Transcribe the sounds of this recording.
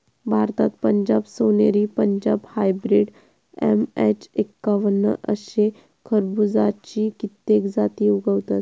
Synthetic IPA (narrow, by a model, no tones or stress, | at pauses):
bʱaɾt̪at̪pəɲd͡ʑabsoneɾiːpəɲd͡ʑabhajbɾiɽ | ḛmet͡ɕekːaʋənːə̰ʔə̰ɕe | kʰəɾbud͡zat͡ɕikit̪ːekd͡zat̪iuɡəwt̪at̪